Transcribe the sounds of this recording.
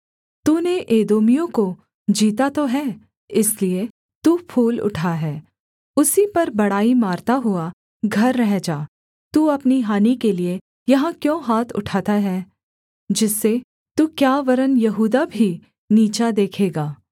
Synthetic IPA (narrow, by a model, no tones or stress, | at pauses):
t̪uːneʔeːd̪oːmijõko | d͡ʒiːt̪at̪oɦɛː | ɪslie | t̪uːpʰuːlʊ̰ʈʰaɦɛː | ʊsipɐɾbɐɽaːimaːɾt̪aɦʊa | ɡʱɐɾːɛɦd͡ʒaː | t̪uːɐpniɦaːnikelie | jɐɦãkjõːɦaːt̪ʰʊ̰ʈʰaːt̪aɦɛː | d͡ʒɪsːe | t̪uːkjaːʋɐɾənjɐɦuːd̪abʱi | niːt͡ʃad̪eːkʰeːɡaː